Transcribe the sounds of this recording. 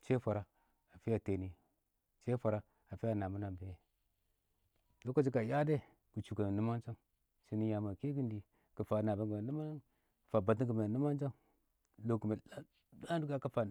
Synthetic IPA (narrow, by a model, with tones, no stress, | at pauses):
t͡ʃe˦fa˨ɾa˨ | a˨fi˦ja˨te˨ni˨ | t͡ʃe˦fa˨ɾa˨ | a˨fi˦ja˦˨na˨mu˦na˨be˨je˦ | lo˦ka˦d͡ʒi˦ka˨ja˦de˦˨ | ku˨t͡ʃu˨ka˨nu˦ma˦nt͡ʃa˦ŋ | si˦ni˦ja˨ma˨ke˦ɡi˦ndi˨ | kə˨fa˨na˨ba˦ɡa˨nu˦ma˦na˦˨ | fa˨ba˨ti˦ŋɡə˨ma˨nu˦ma˦n˦d͡ʒa˦ŋ | lo˦ku˨ma˨la˦ | la˦du˦ka˦ka˦fa˨